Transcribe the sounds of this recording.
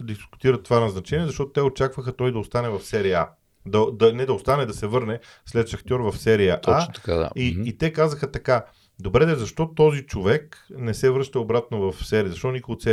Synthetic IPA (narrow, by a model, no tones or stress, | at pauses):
d̪iskʊ̥t̪iɾət̪ːovanɐznɐt͡ʃɛnʲiɛzɐʃt̪ɔt̪ʊt̪ɛot͡ʃakvəxət̪ɔjd̪ɐost̪anɛvɐfsɛɾia̰ | d̪ɐd̪ɐnɛd̪ɐost̪anɛd̪ɐsɛvɤɾnɛ | slɛt̪ʃɐxt̪ʲjɔɾvɐfsɛɾijəʔ̪at̪ɐad̪a̰iːt̪ɛkazəxət̪ɐka | d̪obɾɛd̪ɛzɐʃt̪ɔt̪ɔzit͡ʃovɛknɛsɛvɾɤʃt̪ɐobɾat̪novɐfsɛɾiəzɐʃt̪ɔonikoɡot̪sɛ